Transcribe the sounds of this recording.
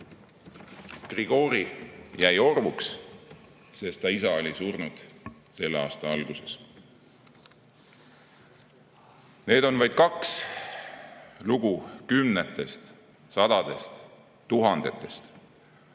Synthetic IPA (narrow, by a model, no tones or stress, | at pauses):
kriɡ̥o̞ːɾijæjo̞rvuks | se̞st̪t̪ɑisɑo̞lʲisuːrnud̪̥ | se̞lːeɑːst̪ɑɑlɡ̥use̞s | ne̞ːd̪̥o̞nvɑjd̪̥̚kɑks | luɡ̥ukymnet̪ːˑe̞st̪ | sɑd̪̥ɑd̪̥e̞st̪ | t̪uɦɑnd̪̥e̞t̪ːˑe̞st̪